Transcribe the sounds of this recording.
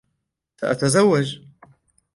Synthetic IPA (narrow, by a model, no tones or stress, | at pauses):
saʔat̪azawːad͡ʒ